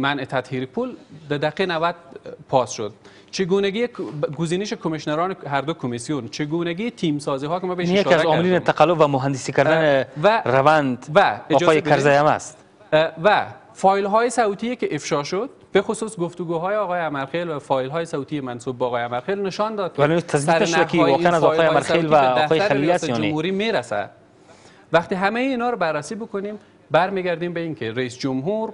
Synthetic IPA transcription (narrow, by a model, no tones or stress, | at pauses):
mænʔet̪ʰæt̪hiːɾipʰuld̪æd̪æqenavæd̪̚pʰɒːsʃo̰d̪̚ | t͡ʃʰeɡunæɡiɡʊziːneʃekʰomeʃnæɾɒːneɦæɾd̪okʰomisijunt͡ʃʰeɡunæɡiːt̪ʰiːmsɒːziːɦɒːkemæbeʃjakːaɾzɔːmɪliːnet̪ʰaqalːobvamʊɦand̪isikaɾd̪anevæɾavand̪væed͡ʒɒɔːjekaɾzajama̰st̪ | væ | fɒjlɦɔjesawt̪ijekeʔɪfʃɒʃʊd̪̥̚bexʊsusɡʊft̪uɡuɦɔjeɔɣɔjeamaɾxelwafɔjlɦɔːjesawt̪ijemansub̚ːɣɔjamaɾxelnɪʃɒnd̪ɒd̪̚klt̪ʰazɡsiɾaʃjakiwɔqeanazɔɔjamaɾxelvad̪afɔjeaɾalilasjɔʊnemhuɾimeɾasa̰ | vaqt̪iɦamejiːnɒɾɔbarːasibʊkʊnim | baɾmiɡæɾd̪imbeinkeɾaisd͡ʒʊmɦuɾ